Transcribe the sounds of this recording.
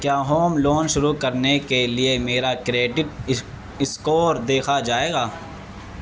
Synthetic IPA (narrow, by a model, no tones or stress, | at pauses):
kjaːɦoːmloːnʃʊɾukɐɾnekeliemeːɾakɾeːɖɪʈ̚ | ɪskoːɾd̪eːkʰad͡ʒaːeːɡaː